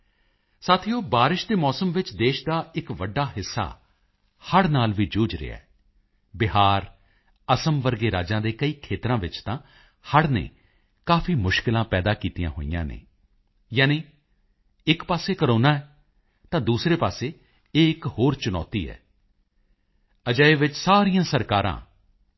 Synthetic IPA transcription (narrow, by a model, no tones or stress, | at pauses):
saːt̪ʰɪjoːbaːɾɪʃd̪eːmɔːsəmʋɪt͡ʃd̪eːʃd̪aːɪkʋəɖaːɦɪsːa̰ː | həɽnaːlʋiːd͡ʒuːd͡ʒɾɪ̰ja̰ | bɪɦaːɾ | əsəmʋəɾɡeːɾaːd͡ʒãːd̪eːkəiːkʰeːt̪ɾãːʋɪt͡ʃt̪ãː | həɽnḛː | kaːpʰiːmʊʃkɪlãːpɛːd̪aːkiːt̪ijã̰ːɦo̰ːḭjã̰ːnḛː | jaːniː | ɪkpaːseːkəɾoːnaːɛː | t̪ãːd̪uːsɾeːpaːseː | eːɪkhoːɾt͡ʃʊnɔ̰ːt̪ḭːɛ̰ː | əd͡ʒaːeʋɪt͡ʃsaːɾijãːsəɾkaːɾã̰ː